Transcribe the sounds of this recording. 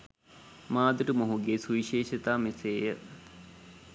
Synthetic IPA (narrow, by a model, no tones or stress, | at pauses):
maːd̪uʈəmoɦuɡeːsuʋiʃeːʃit̪aːmeseːjə̰